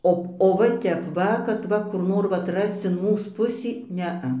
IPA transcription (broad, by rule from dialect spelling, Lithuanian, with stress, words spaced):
ˈoː oː ʋɐ ˈtʲɛp ˈʋɐ kɐt ˈʋɐ kʊr ˈnoːr ʋɐt ˈrɐst͡s ɪn ˈmuːs ˈpʊsʲiː ˈnʲɛɐ